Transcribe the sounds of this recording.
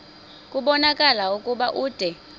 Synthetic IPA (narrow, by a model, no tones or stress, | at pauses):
kʼuɓɔnakʼalaukʼuɓaʔuːd̥ʱɛ